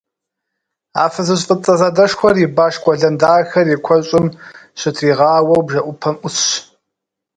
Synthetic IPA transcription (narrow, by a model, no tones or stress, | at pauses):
a̰ːfɐzɨɕ̬ʼfʼɨt͡sʼɐzɐdɐʂxʷɔribaːʂkʷʼɔɮɐndaːxɐrikʷʰɔɕʼɪmɕɪtʰriːʁɑːwɐwbʒɐʔʷʊpʰɐmʔʷʊsɕ